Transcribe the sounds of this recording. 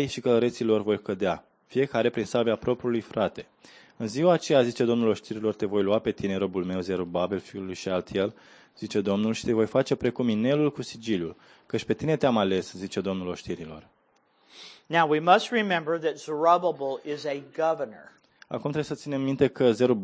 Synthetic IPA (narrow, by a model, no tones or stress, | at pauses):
jʃikələɾet̪silo̞rvo̞jkəd̪ea | fije̞kaɾe̞pɾinsalbeapɾo̞pɾiulujfɾat̪e̞̥ | ɨnziwaːt͡ʃe̞jazit͡ʃe̞d̪o̞mnulo̞ʃt̪iɾilo̞rt̪e̞vo̞jluape̞t̪ine̞ɾo̞bulme̞wze̞ɾulbabilfiulujʃialt̪jel | z̥it͡ʃe̞d̪o̞mnulʃi̥t̪e̞vo̞jfat͡ʃe̞pɾe̞kumine̞lulkusid͡ʒiljul | kət͡ʃʲpe̞t̪ine̞t̪eamale̞szit͡ʃe̞d̪o̞mnulo̞ʃt̪iɾilo̞̰r | naʊwimʌst̚ɹimɛ̃mbə˞ðɨtz̥ə˞ɑbəbl̩ˠɪzɨɡʌvənə̰˞ | a̰kumt̪ɾebesət̪sinemːint̪e̞kəzeɾu